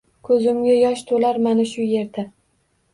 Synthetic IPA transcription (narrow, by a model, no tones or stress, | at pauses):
kʰɵzɪmɡʲajɒʃt̪ʰolaɾmanaʃʊje̞ɾd̪a